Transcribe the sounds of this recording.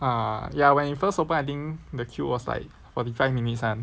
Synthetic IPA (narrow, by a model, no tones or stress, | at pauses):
ajawɛ̃nifəstopə̃najt̪̬ĩŋdəkʰjuwɔsla̰ɪk̚ | fɔtifaɪfminit̚sãn